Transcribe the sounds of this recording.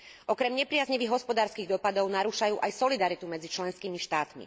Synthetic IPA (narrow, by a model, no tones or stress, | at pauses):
ʔɔkɾɛmɲɛpɾɪazɲiʋiɣɦɔspɔd̪aːɾskiːɣd̪ɔpad̪ɔʊnaɾuːʃajuːʔajsɔlid̪aɾit̪umɛd͡zit͡ʃlɛnskiːmiʃt̪aːt̪mḭ